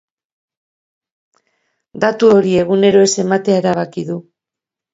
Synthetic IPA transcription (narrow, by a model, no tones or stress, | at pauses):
d̪at̪uo̞ɾie̞ɣ̞une̞ɾo̞e̞se̞mat̪eaeɾaβ̞akiðu